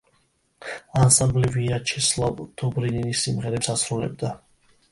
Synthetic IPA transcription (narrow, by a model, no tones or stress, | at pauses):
ansambliviat͡ʃʰɛslˠavd̪̥ɔbɾininisːimʁɛɾɛsasɾulɛ̰b̚d̪a